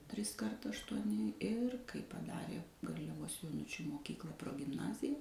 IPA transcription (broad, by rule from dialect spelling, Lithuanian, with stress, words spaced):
ˈtʲrʲɪskɐrt ɐʃtuɔˈnʲɪ ɪr kɐɪ pɐˈdɑːrʲeː ɡɐrʲlʲɛˈʋoːs joːˈnʊt͡ʃʲuː moːˈkʲiːklˠɐ proːɡʲɪmˈnɑːzʲɪjɛ